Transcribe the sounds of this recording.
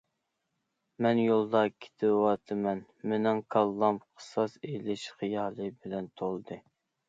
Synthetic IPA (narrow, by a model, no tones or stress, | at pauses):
mɛnjolˠd̪ɑkʲʰe̥t̪ʰɪwɑt̪ʰɨmɛn | menɪŋkʰɑlˠːɑmqʰə̥sɑselɪʃχijɑːlˠɨbɪlɛnt̪ʰolˠd̪ɨ